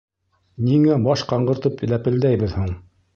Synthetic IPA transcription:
niŋæbɑʃqɑɴɢɤ̆ɾt̪ɤpɘ̆læpɘ̆ld̪æjbɘðhuɴ

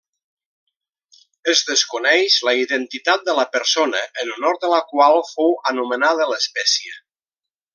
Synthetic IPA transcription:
əzðəskunɛʃləiðənt̪it̪at̪̚d̪ələpəɾsonəʔːnunɔɾt̪d̪ələkwalˠfowənumənað̞ələspɛsiə

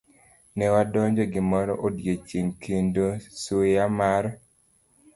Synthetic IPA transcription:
nɛwadɔɲd͡ʒɔɡɪmɔɾɔʔodjet͡ʃeŋkʰindosojamaɾɔ

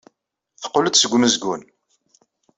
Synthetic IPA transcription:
θə̥qːoləd̪səɡʷməzɡʷun

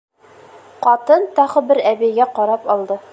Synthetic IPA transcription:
qɒt̪ɤnt̪ɑʁɤbɘɾæβijɡæqɒɾɑpɒlˠd̪ɤ

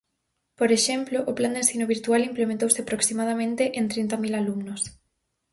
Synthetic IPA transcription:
poɾeʃemploʔʊpland̪ensθinoβiɾt̪ualimplemẽnt̪owsɪapɾoksimaðamẽnt̪eʔent̪ɾint̪amilalumnos

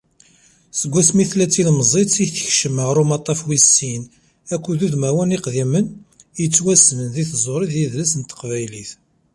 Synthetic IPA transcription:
səɡʷːæsmiθlæt͡sːilməzˤetsiçθəçʃəməʁɾumɑt̪ˤːɑfwisːin | ækʷːuðuðmæwæniqðimən | jət͡sːwæsnənðiθzˤoɾˤiðjiðlæsənt̪ːə̥qvæjliθ

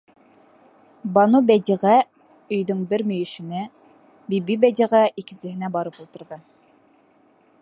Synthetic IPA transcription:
bɑnubæd̪ʲiʁæ | ɵ̆jðɵɴbɘɾmɵ̆jɘ̆ʃɘ̆næ | bibibæd̪ʲiʁæʔikɘ̆nsɘ̆ɦɘ̆næbɑɾɤpulˠt̪ɤ̆ɾðɤ

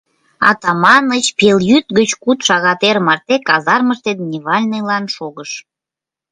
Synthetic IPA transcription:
ɑ̰t̪ɑmɑnət͡ɕpeljyt̪̚ɡət͡ɕkut̪ʃɑɣɑt̪eɾmɑrt̪ekɑzɑrməʃt̪ed̪̚nʲiβɑlʲnəlɑnʃoɣəʃ

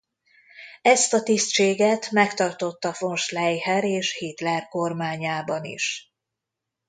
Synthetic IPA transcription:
ɛst̪ɒt̪ist̪t͡ʃeːɡɛt̪mɛkt̪ɒrt̪o̞t̪ːɒfo̞nʃlɛjɦɛɾeːʃhit̪lɛrko̞rmaːɲaːbɒnḭʃ

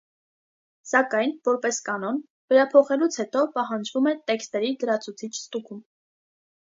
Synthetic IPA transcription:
sɑkɑjnvɔɾpɛskɑn̪ɔn | vɛɾɑpʰɔχɛlut͡sʰhɛt̪ɔpɑɦɑnd͡ʒvumɛt̪ɛkst̪ɛɾid̪əɾɑt͡sʰut͡sʰit͡ʃʰst̪ukum

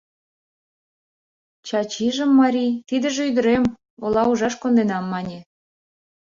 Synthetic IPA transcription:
t͡ɕɑt͡ɕiʒə̆mːɑɾʲit̪id̪ə̆ʒeyd̪ə̆ɾem | olɑuʒɑʃkond̪enɑmːɑnʲe

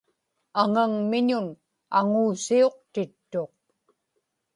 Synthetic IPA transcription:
aŋaŋmɪɲʊn | a̰ŋuːsio̞q̚t̪ɪt̪ːo̞q̚

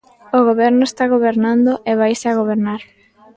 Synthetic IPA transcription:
oɣoβɛɾnʊest̪aɣoβeɾnãnd̪oʔeβ̞ajsaɣ̞oβeɾnaɾ

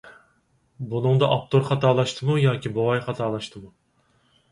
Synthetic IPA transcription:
bunɨŋd̪ɑʔɑp̚t̪ʰoɾχɑt̪ʰɑːlˠɑʃt̪ʰɨmujɑːkʲibowɑjχɑt̪ʰɑːlˠɑʃt̪ʰɨmu

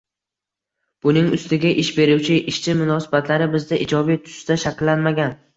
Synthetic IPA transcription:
b̥ʊnɪŋʊst̪ɪɡʲaʔɪʃbe̞ɾʊwt͡ʃʰɪʔɪʃt͡ʃʰɪmʊnɒsɪbat̪ʰlaɾɪbɪzd̪aʔɪd͡ʒɒbijt̪ʰʊ̥st̪aʃakʲlːanmaɡʲan

